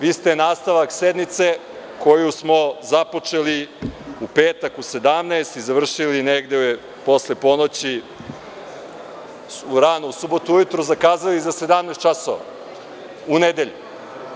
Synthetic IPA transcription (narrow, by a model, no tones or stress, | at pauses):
ʋiːst̪enaːst̪aʋaksed̪mit̪se̞ | ko̞jusmo̞zapo̞t͡ʃe̞liupeːt̪akuse̞d̪amneːst̪izaʋr̩ʃilineɡd̪e | po̞slepo̞not͡ɕi | uɾanousubot̪uujut̪ɾuzakaːzalizase̞d̪amnest̪̚t͡ʃaso̰ʋa̰ | uned̪e̞ʎu